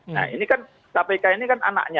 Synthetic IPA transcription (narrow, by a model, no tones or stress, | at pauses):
na̰ḭnikan | sapakainikana̰na̰ʔɲa